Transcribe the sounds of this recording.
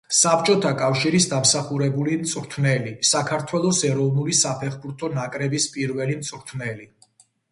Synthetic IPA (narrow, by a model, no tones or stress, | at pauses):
sapʰt͡ʃʼɔt̪ʰakʼafʃiɾisd̪amsaχuɾɛbulimt̪sʼɾt̪ʰvnɛlisakʰaɾt̪ʰwɛlˠɔsɛɾɔvnulisapʰɛχbuɾt̪ʰɔnakʼɾɛbispʼiɾvɛlimt̪sʼɾt̪ʰnɛli